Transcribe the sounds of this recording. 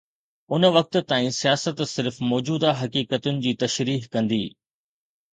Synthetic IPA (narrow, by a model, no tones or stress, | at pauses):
ʊnə̆ʋɐk̚t̪̆t̪ːaːĩsijaːsət̪sɪɾfmɔːd͡ʑuːd̪aɦɐkiːkət̪ʊnɪ̆d͡ʑiːt̪ɐʃɾiːɦkɐ̃nd̪iː